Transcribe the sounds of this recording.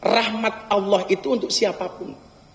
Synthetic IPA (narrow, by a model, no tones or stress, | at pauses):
rahmat̪̚alːɑhʔit̪uːnt̪ʊksiapapʊn